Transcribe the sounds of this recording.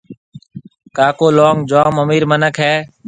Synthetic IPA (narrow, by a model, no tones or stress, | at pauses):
kaːkoːloːŋɡd͡ʒoːməmiːɾmənəkɦɛː